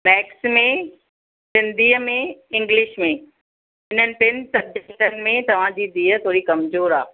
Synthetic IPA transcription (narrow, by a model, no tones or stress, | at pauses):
mɛːksmẽ | sɪ̃nd̪iːəmẽɪ̃ŋɡlɪʃmẽ | ɪn̤ənɪ̆pɪnɪ̆sɐb̚d͡ʑekʈənɪ̆mẽt̪ɐʋ̤ãd͡ʑiːd̪iːət̪ʰoːɾikɐmzoːɾaː